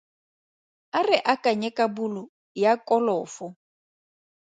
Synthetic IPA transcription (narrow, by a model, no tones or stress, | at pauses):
arɪʔakʼaɲɛkʼabulɔ | jakʼɔlɔːfʊ